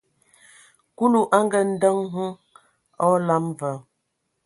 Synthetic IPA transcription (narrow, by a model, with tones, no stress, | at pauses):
ku˦lu˦ʔa˦ŋ˦ɡə˨n̩˦də˦ŋɦə˦ | ɔ˦la˦mvə˨˦